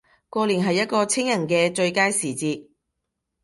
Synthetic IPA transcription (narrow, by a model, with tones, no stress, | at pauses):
kʷɔː˧liː˨˩nɦɐ˨jːɐ˥t̚kɔː˧t͡sʰɪ˥ŋjɐ˨˩ŋkɛː˧t͡ʃɵ˧ɥkaː˥jsiː˨˩t͡siː˧t̚